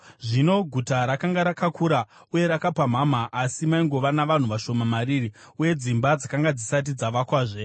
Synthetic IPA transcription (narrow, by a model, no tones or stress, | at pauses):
ʐino̞ɡʱutaɾakaŋɡaɾakakuɾa | uje̞ɾakapam̤amaʔːsimaiŋɡo̞ʋanaʋan̤uʋaʃo̞mamariːri | uje̞d͡zimbad͡zakaŋɡad͡zisat̬id͡zaʋakwaːʐe̞